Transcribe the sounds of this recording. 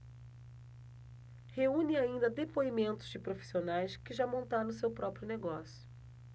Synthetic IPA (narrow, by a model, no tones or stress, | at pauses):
heũnɪaĩnd̪ɐd̪epoimẽnt̪ʊzd͡ʒɪpɾofi̥sionajskɪʒamõnt̪aɾõʊsewpɾɔpɾjʊneɡɔsjʊ